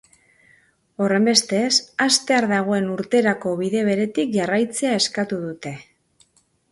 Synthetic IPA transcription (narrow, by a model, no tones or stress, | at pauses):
o̞re̞mbe̞st̪e̞sast̪e̞aɾðaɣ̞o̞e̞nuɾt̪e̞ɾako̞βiðe̞β̞e̞ɾe̞t̪ik̚ʝarajt͡se̞ae̞skat̪uðut̪e̞